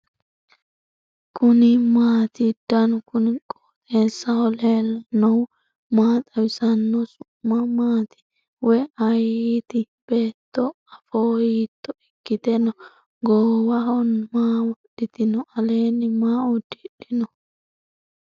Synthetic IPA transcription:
kʰʊnɪmaːt̪ɪd̪̥ɐnʊkʊnɪkʼo̥ːt̪ʼeːsːɐhɔleːlːɐnɔw | maːt̪ʼɐwɪsɐnːɔsʊmːɐmaːt̪ɪ̥ | wɔjɐjit̪ɪ | b̥e̞ːt̪ːɔ | ɐfoːjiːt̪ːɔɪkːɪt̪ɛnɔ | ɡoːwɐhɔnmaːwɔɗɪt̪ɪnɔʔɐle̞ːnːɪmaːʊd̪ɪᶑɪnɔ

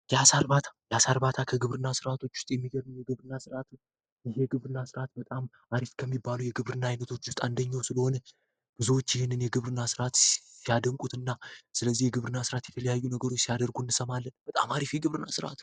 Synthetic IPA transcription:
jɛasaɾbat̪ʰḁjɛasaɾbat̪ʰakʰəɡɨβɾɨnːasɨɾat̪ʰo̞t͡ʃːwʊ̥st̪ʼjɛmːiɡəɾnəwjɛɡɨβɾɨnːasɨɾat̪ʰ | ɪɦeɡɨβɾɨnːasɨɾat̪bət̪ʼam | ʔaɾifkʰəmːibːalujɛɡɨβɾɨnːaajnət̪ʰo̞t͡ʃːwʊst̪ʼand̪əɲːawsɨləho̞nə | b̥ɨzwot͡ʃːjɪhenːɨnjɛɡɨβɾɨnasɨɾat̪sijad̪əmkʼut̪ɨnːasɨləzːihjɛɡɨβɾɨnːasɨɾat̪jɛt̪ʰələjajːunəɡəɾo̞t͡ʃːsijad̪əɾɡunːɨsəmalːənb̥ət̪ʼa̰maɾifjɛɡɨβɾɨnːasɨɾa̰t̪

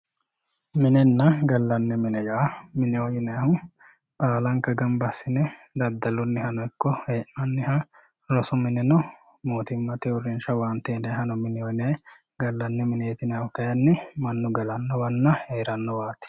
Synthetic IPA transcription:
mɪnɛnːɐɡɐlːɐnːɛmɪnɛjɐʔɐmɪnɪɔjɪnɐjɐhʊ | baːlɐŋkɐɡɐmbɐsːɪnɛ | d̪ɐd̪ːɐlɔnːɪhɐnɔɪkːɔheːʔnɐnːɪhɐ | lɔsɔmɪnɛnɔ | moːt̪ɪmːɐt̪ɛʊɾɪnʃɐwaːnt̪eːnɐjɦɐnɔmɪnɪɔjnɛj | ɡɐlːɐnːɛmɪnet̪ɪnɛjɐhʊkɐjɐnːɪmɐnːʊɡɐlɐnːɔwɐnːɐheːɾɐnːɔwaːt̪ɪ̥

